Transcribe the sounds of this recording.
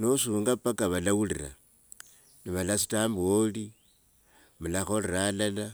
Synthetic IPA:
nosuːŋɡapakaβalawulḭra̰ | niβalasi̥tamboli | mulaxoliɾalala

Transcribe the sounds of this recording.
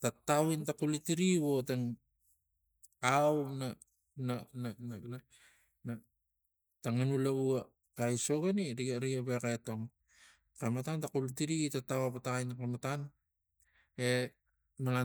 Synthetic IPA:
tatawintakulitiɾiwo̞teŋ | awna | nananana | na | taŋanulaua | kajso̞ɡaniɾiɾiaβekaeto̞ŋ | kamatantakulitiɾitatawapataajnakamatan | e | mala

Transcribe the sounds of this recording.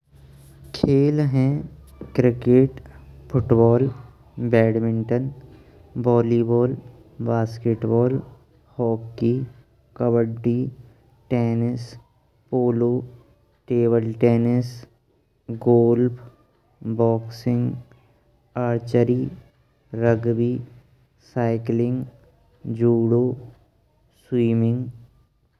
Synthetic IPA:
kʰeːlɦɛ̃ | kɾɪkeʈfʰʊʈbɔːl | bɛːɽmɪ̃ɳʈən | bɔːlibɔːl | baːskeːʈbɔːl | hɔːkːi | kəbəɖːiː | ʈeːnɪs | poːloː | ʈeːbəlʈeːnɪs | ɡoːlpʰ | bɔːksɪ̃ŋɡ | aːɾt͡ʃəɾi | ɾəɡbi | saːɪklɪ̃ŋɡ | d͡ʒuːɽoː | swiːmɪ̃ŋɡ

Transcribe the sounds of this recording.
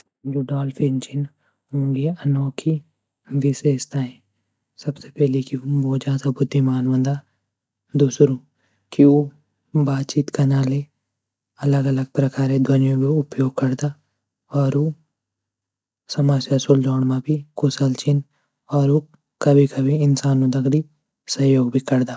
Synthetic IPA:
d͡ʒoɖaːlfɪnt͡ʃɪn | õːɡeɐnɔːkʰi | ʋɪʃeːʃt̪aɦɛ̃ | sɐbsepɛɦlekiʋoːd͡ʒãːsabʊd̪ʱːimaːnʋə̃nd̪a | d̪ʊsɾõː | kio | baːt̪̚t͡ʃiːt̪kɐnaːle | ɐləɡɐləɡ̚pɾɐkaːɾed̪ʱwɐnjõɡeʊpjoːɡ̚kɐɾd̪a | ɔːɾoː | sɐmasjasʊld͡ʒɔːɽmãbʱikʊsəlt͡ʃɪn | ɔːɾo | kɐbʱikɐbʱiɪnsaːnũd̪ɐɡɾi | sɐɦjoːɡ̚bʱikɐɾd̪aː

